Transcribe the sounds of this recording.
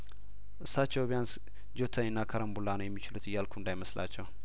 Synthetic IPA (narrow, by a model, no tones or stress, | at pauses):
ʔɨsat͡ʃːowbjans | d͡ʒot̪ʰəɨnːakʰəɾəmbulːanəwjɛmːit͡ʃɪlut̪ɨjːalkʰund̪ajməslʔa̰t͡ʃːɛw